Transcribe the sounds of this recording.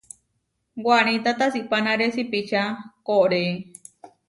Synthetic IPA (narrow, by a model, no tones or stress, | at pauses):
ɡʷañĩt̪at̪asipanãɾesipit͡ʃakoʔɾe